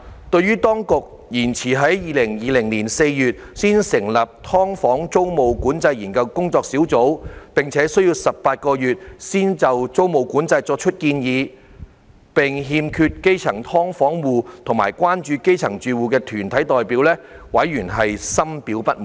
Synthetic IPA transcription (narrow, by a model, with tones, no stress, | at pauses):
t̪ɵ˧ɥyː˥t̪ɔː˥ŋkʊ˨k̚ | jiː˨˩nt͡sʰiː˨˩ɦɐ˨˥jjiː˨˧lɪ˨˩ŋjiː˨˧lɪ˨˩ŋliː˨˩nse˧jjyː˨t̚siː˥nsɪ˨˩ŋlɐ˨p̚t̪ʰɔː˥ŋfɔː˨˥ŋt͡so˥wmo˨wkuː˨˥nt͡sɐ˧jiː˨˩nkɐ˧wkʊ˥ŋt͡sɔː˧k̚siː˨˥wt͡so˨˥wpɪ˨˩ŋt͡sʰɛː˨˥sɵ˥ɥji˧wsɐ˨p̚paː˧t̚kɔː˧jyː˨t̚siː˥nt͡sɐ˨wt͡so˥wmo˨wkuː˨˥nt͡sɐ˧jt͡sɔː˧k̚t͡ʃʰɵ˥t̚kiː˧njiː˨˧ | pɪ˨ŋɦiː˧mkʰyː˧t̚ke˥jt͡sʰɐ˨˩ŋt̪ʰɔː˥ŋfɔː˨˥ŋwuː˨˧t̪ʰʊ˨˩ma̰ː˨˩jkwaː˥nt͡ʃyː˧ke˥jt͡sʰɐ˨˩ŋt͡ʃyː˧wuː˨kɛː˧t̪ʰyː˨˩nt̪ʰɐ˨˥jt̪ɔː˨jpiː˨˥wlɛː˥wɐ˨˥jːyː˨˩nɦɐ˨jsɐ˥mpiː˨˥wpɐ˥t̚m